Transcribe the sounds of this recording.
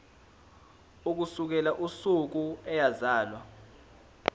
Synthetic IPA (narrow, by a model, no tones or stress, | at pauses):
uk̬usuk̬ɛlaʔusuk̬uɛjazaːlwa